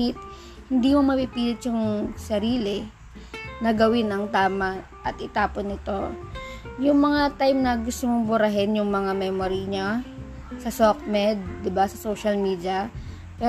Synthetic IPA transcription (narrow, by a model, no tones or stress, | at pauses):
ɪt̪̚ | hɪnd̪iːmomɐpipiːlɪt̪jʊŋsɐɾiːlɛ | nɐɡɐwɪnɐŋt̪aːmɐ | ʔɐt̪ʔɪt̪aːponɪt̪o̞ | jʊŋmɐŋat̪ajmnɐɡʊst̪omobʊɾɐɦɛnjʊŋmɐŋamɛːmoɾiɲa | sɐsok̚mɛd̪̚ːɪbasɐsoːʃɐlmiːd̪jɐ | pɛ